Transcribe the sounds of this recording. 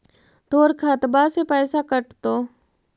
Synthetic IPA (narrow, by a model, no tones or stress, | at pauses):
t̪oːɾkʰaːt̪basepɛːsakəʈt̪oː